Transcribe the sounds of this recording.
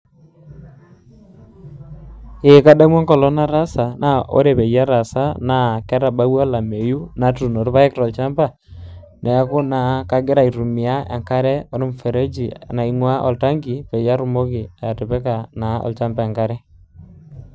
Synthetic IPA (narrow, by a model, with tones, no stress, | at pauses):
e˨ka˦ɗa˦mwɔ˦ŋkɔ˨lɔ˦na˦ɾa˦sa˨nʔa˦ʔo̰˦ɾe˨pɛ˨ja˦ɾa˨sa˦na˦kɛ˦ɾa˨ba˦wa˦la˨me˨ju˦na˨tu˨no˨ɾpa˦ɛ˦kɾɔ˨lt͡ʃa˦mba˦˨ | nʔɛ˨a˦kʊ˦na˨ka˦ɡɪ˦ɾa˨i˨ɾu˨mɪ˨a˦a̰˨ŋka˦ɾɛ˦ɔ˨ɾe˦mfɛ˨ɾe˦d͡ʒi˨a̰˨na˨i˨ŋwa˦ʔɔ˨lta˦ŋɡi˨pe˨ja˦ɾʊ˨mo˦kɪ˨a˨ja˨tɪ˨pɛ˦ka˨na˨˦ɔ̰˨lt͡ʃa˦mba˦a˨ŋka˦ɾɛ˦